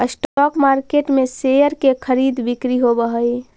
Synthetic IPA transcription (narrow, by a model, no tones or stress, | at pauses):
əsʈɔkmaɾkeʈmẽsejəɾkekʰəɾiːd̪bɪkɾiɦobəɦəi